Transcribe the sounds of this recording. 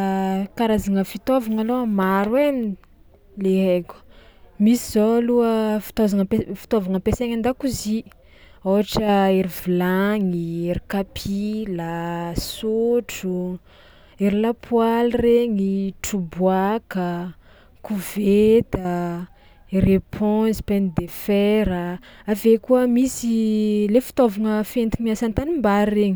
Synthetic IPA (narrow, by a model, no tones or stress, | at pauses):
kaɾazaŋəfit̪ovaŋaloamaɾuemin | leɦeku̥misizoluəfi̥t̪ozaŋəpefi̥t̪ovaŋəpeseŋand̪akuzi | oɦaʈ͡ʂəeɾivilaŋieɾikapʰilasuʈ͡ʂu | eɾilapʰwalreŋiʈ͡ʂubwakə | kuvet̪a | erepʰɔzi̥pend̪efɛɾəavekuəmisilefi̥t̪ovaŋəfent̪imiasant̪animbaɾreɲi